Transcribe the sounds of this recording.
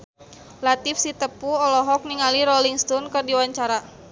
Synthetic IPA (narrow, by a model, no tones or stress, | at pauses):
lat̪ifsit̪əpuɔlɔɦɔk̚niŋaliɾɔliŋst̪ɔnkɨrdiwaɲt͡ʃaɾa